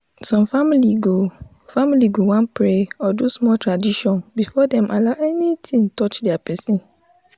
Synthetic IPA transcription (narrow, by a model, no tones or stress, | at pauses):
sɔ̃mfamiliɡo | familiɡowãnpʰɾeɔdusmɔltʰɹadiʃɔ̃nbifɔdɛ̃mʔalaʔɛnitʰĩŋtʰɔt͡ʃdɪapʰɛsĩn